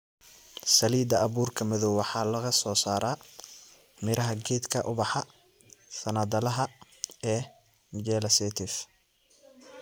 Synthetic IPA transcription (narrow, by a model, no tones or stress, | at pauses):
sɐliːd̪ɐɐβuːrkʰɐmɐðɔwwɑħɑːlɐɣɐsɔːsaːɾaː | mɪɾɐɦɐɡɛːd̪kʰɐʔʊβɑħɑ | sɐnɐd̪ɐlɐɦɐ | ɛː | d͡ʒɛːlɐsɛːt̪ʰɪf